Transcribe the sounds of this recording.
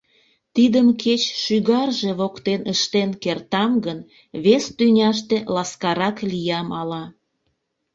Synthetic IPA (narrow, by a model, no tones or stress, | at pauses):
t̪id̪əmkʰet͡ɕʃyɣɑrʒe̽βokt̪enəʃt̪enkert̪ɑmɡən | βest̪ynʲɑʃ̬t̪elɑskɑɾɑklijɑmɑlɑ